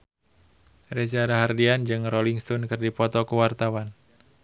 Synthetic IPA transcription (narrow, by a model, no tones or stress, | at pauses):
rɛs̬aɾaɦardiand͡ʒɨŋrɔliŋst̪ɔnkɨrdipɔt̪ɔkuwart̪awan